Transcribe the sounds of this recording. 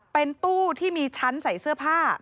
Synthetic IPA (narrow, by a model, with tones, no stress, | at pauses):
pe˧nt̪uː˥˩t̪ʰiː˥˩miː˧t͡ɕʰa˦˥nsa˨˩˦jsɯ˥˩ɐpʰaː˥˩